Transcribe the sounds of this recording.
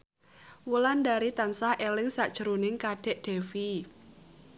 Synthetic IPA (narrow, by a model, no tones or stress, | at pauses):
wulandaɾit̪ansahʔelɪŋsaʔd̥ʒ̥əɾunɪŋkaɖ̥ɛ̤ʔɖ̥e̤fi